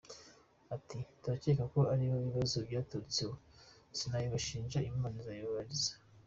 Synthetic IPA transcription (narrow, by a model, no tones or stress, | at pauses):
atituɾacekako̞aɾiβoβiβazobɟaːtut͡siwo | sinajiβaʃiːnʒaimanazajoβaɾizḁ